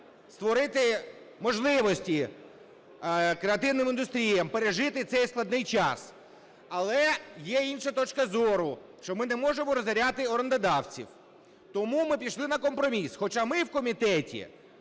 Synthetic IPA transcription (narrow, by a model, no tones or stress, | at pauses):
st̪ʋɔɾɪt̪ɪ | mɔʒlˠɪʋɔsʲtʲi | kɾeɐt̪ɪwnɪmɪnd̪ʊst̪ɾʲijɐmpeɾeʒɪt̪ɪt̪sɛjsklˠɐd̪nɪjt͡ʃɑs | ɐlˠɛjɛinʃɐt̪ɔt͡ʃkɐzɔɾʊʃt͡ʃɔmɪnɛmɔʒemɔɾɔzɐɾʲat̪ɪɔɾɐnd̪ɐd̪ɑwt͡sʲḭw | t̪ɔmumɪpʲiʃlˠɪnɐkɔmpɾɔmʲisxɔt͡ʃamɪwkɔmʲit̪ɛtʲḭ